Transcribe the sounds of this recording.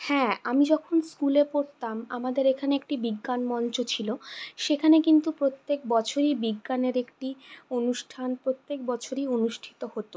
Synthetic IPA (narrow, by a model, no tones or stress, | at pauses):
hɛ̃amid͡ʑɔkʰonskulepoɾt̪amamad̪eɾekʰaneek̚ʈibiɡːanmɔnt͡ɕot͡ɕʰiloʃekʰanekint̪upɾot̪ːek̚bɔt͡ɕʰoɾibiɡːaneɾekʈionuʃʈʰanpɾot̪ːek̚bɔt͡ɕʰoɾionuʃʈʰi̥t̪ohot̪o